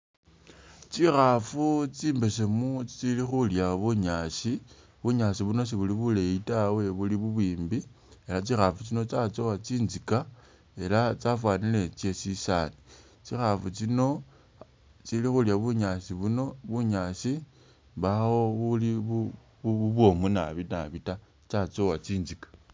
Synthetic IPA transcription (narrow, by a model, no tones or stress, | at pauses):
t͡sixafut͡siːmbesemut͡st͡silixuljaβuɲasi | βuɲasiβuno̞s̬iβuliβule̞itawe̞βuliβuβwiːmbi | e̞lat͡sixafut͡sino̞t͡sat͡so̞wat͡siːnzika | e̞lat͡safwaːnile̞t͡se̞sisani | t͡sixafut͡sino̞ | t͡silixuljaβuɲasiβuno̞βuɲaːsi | βawo̞βuliβu | βuuβwo̞munaβinaβita | t͡ʃat͡sowat͡siːnzikḁ